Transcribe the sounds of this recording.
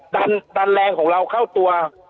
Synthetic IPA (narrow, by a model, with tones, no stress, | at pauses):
daː˧ndaː˧nlɛː˧ŋkʰɔː˩˦ŋɾa˧wkʰa˥˩wt̪u˧ɐ